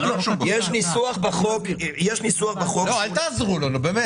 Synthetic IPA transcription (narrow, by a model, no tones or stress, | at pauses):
loʃujeʃnisuaχbaχokjeʃnisuaχbaχoloalt̪aːzʁulonobeːme